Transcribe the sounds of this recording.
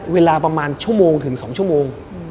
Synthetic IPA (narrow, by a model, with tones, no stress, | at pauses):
weː˧laː˧pɾa˧maː˧nt͡ɕʰu˥˩moː˧ŋt̪ʰɯ˩˦ŋsɔː˩˦ŋt͡ɕʰu˥˩˨moː˧ŋ